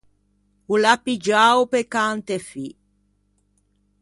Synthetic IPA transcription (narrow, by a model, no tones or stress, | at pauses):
ulapid͡ʒaːwpekant̪efi